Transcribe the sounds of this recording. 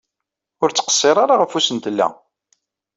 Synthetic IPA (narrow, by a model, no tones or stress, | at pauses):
ʊɾt͡sːə̥qə̥sˤːeɾˤɑɾaʁəfusənt̪əlːæ̰